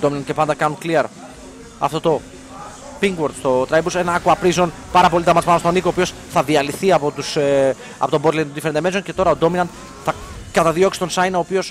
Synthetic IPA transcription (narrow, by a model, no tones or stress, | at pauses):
d̪ominɐnd̪̥̚cepɐnd̪ɐkɐnuŋkliɐɾ | ɐ̰ft̪o̞t̪o̞ | piŋɡwoɾd̪st̪o̞t̪ɾɐjbuse̞nɐɐkuɐpɾizo̞n | pɐɾɐpo̞lit̪ɐmɐt̪spɐmɐst̪onikopio̞s | θɐðiɐliθiɐpo̞t̪us | ɐ̰po̞t̪obt̪lejt̪od̪ifeend̪emesonce̞t̪o̞ɾɐod̪o̞minɐnd̪̚ | θɐ | kɐt̪ɐðio̞ksi̥t̪osɐjnɐoːpio̞s